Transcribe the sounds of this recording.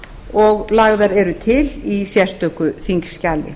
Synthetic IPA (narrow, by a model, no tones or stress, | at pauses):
ɔɣlaɣðaɾɛɾʏt̪ʰɪlisjɛst̪œkʏθiŋkscalːɪ̰